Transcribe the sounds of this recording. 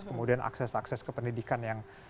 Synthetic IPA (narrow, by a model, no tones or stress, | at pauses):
kəmudianʔa̰ksɛsaksɛskəpəndidikanjaŋ